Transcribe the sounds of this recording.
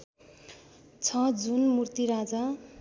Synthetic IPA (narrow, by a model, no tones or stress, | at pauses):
t͡sʰʌd͡zunmurt̪iɾad͡za